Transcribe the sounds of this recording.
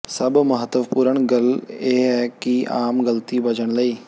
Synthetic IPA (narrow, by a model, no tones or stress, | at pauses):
səbməɦət̪ːəʋpuːɾəɳɡəleːɦɛːkiaːmɡəlt̪ibəd͡ʒəɽ̃ləiː